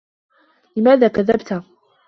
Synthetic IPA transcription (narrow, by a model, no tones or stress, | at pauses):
lɪmaːðaːkaðːabt̪